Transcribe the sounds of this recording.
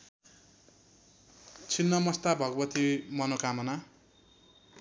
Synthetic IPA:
t͡sʰinːʌmʌst̪abʱʌɡʌbʌt̪imʌnokamʌna

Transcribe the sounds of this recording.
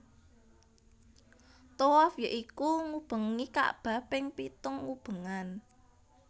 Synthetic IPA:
t̪owafjəʔikuŋub̥ə̤ŋika̰ʔb̥a̤pɪŋpit̪ʊŋːub̥ə̤ŋan

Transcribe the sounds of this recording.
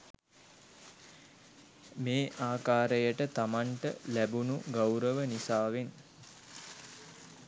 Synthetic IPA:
meːʔaːkaːɾəjəʈət̪amaɳʈə̰læbunuɡawɾəʋənisaːʋen

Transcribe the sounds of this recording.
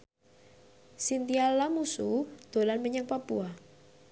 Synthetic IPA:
sint̪ialamusud̪̥o̤lanməɲaŋpapua

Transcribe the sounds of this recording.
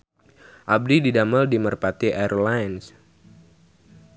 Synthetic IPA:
ʔab̚dididaməldimərpat̪iʔaɾlaəns

